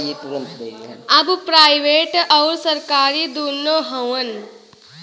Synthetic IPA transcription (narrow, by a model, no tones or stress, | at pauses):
ɐbpɾaːɪʋeːʈɔʊɾsɐɾkaːɾid̪uːnoɦɐwən